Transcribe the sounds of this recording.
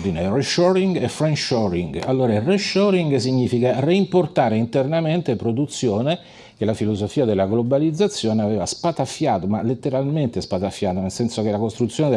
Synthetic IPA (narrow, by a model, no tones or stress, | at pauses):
d̪inereʃɔɾiŋɡefɾenʃɔɾḭŋɡalːoːɾaireʃɔɾiŋɡsiɲːiːfikareimport̪aːɾeint̪ernament̪epɾod̪ut̪sːjoːne | kelafilozofiːad̪elːaɡlobalid̪zat̪sːjoːneavɛːvaspat̪afjaːt̪omalet̪ːeɾalment̪espat̪afjaːt̪onelsɛnsok̟elakost̪ɾut̪sːjoːne